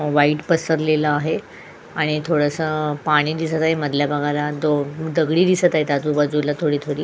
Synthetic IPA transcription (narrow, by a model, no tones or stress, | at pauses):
ʋaiʈpəsəɾlelaːɦe | aɽ̃it̪ʰoɽəsəpaɽ̃iːd̪isət̪aɦeməd̪ʱljabəɡʱalad̪od̪əɡɽiːd̪isət̪aɦet̪ad͡zubad͡zulat̪ʰoɽiːt̪ʰoɽiː